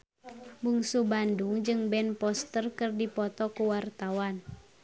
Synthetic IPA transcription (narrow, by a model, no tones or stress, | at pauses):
buŋsubanduŋd͡ʒɨŋbɛnpɔst̪ərkɨrdipɔt̪ɔkuwart̪awan